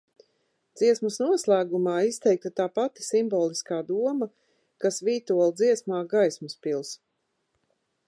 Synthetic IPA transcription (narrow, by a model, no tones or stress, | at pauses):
d̪z̥iɛsmusnuɔslˠæːɡumaːist̪ɛjk̚t̪at̪aːpat̪i̥simbɔːlˠiskaːd̪uɔmɐ | kasviːt̪uɔlˠd̪ziɛsmaːɡajsmuspilˠs